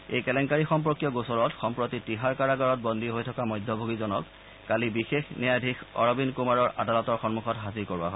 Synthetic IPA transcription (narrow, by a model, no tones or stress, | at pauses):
ḛjkɛlɛŋkaɹixɔmpɔkjɔɡosɔɹɔtxɔmpɹotitiɦaɹkaɹaɡaɹɔt̚bɔndiɦojtʰɔkamɔjdʱːɔbʱoɡizɔnɔkː | alibixexnɛjadʱixɔ̰ɹɔbinkumaɹɔɹa̰dalɔtɔɹxɔnmuxɔtɦaziɹkoɹua̰ɦo